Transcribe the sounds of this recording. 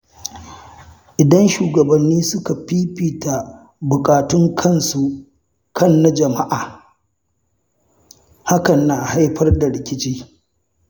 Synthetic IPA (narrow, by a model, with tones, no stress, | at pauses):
ʔɪ˨dɐ˦nʃuː˨ɡɐ˨bɐ˨nːiː˦sʊ˦ka˨ɸiː˦piː˨ta˨ | bʊ˨kʼaː˨tʊ˦ŋkʰɐ˦˨nsu˨ | kʰɐ˦nːa˦d͡ʒɐ˨ma˦ʔaː˨ | ha˦kɐ˨nːaː˨ha˦jɸɐ˦rda˨ɽɪ˨kʲɪ˦t͡ʃiː˦